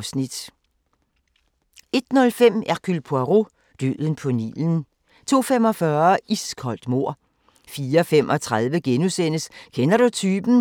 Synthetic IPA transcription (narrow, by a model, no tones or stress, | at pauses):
snid̥ | e̝d̥nɔ̽lfem̰ækʰylpʰuɑʁo | d̥ø̰ːðˠən̩pʰɔ̽nḭln̩ | t͡sʰo̝̰ːfemɒ̽fɶɐiskʰɒ̽l̰d̥mo̝ɐ̰ | fiːɐɐfem̰ʔɒ̽t͡sʰʁað̞ˠʋəɡ̥enusen̰əskʰenɐɾut͡sʰyːb̥n̩